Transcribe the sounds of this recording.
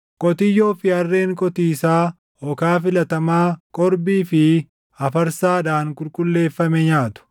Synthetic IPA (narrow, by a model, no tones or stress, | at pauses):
kʼɔt̪ɪjːoːfɪɐrːe̞ːŋkʼɔt̪iːsaː | ɔkaːfɪlɐt̪ɐmaːkʼɔɾbiːfɪ | ɐfɐɾsaːd̪aːŋkʼʊlkʼʊlːe̞ːfːɐmɛɲaːt̪ʊ̥